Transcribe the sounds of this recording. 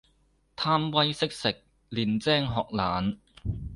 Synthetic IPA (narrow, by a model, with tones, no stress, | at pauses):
t̪ʰaː˥mwɐ˥jsɪ˥k̚sɪ˨k̚ | liː˨nt͡sɛː˥ŋɦɔː˨k̚laː˨˧n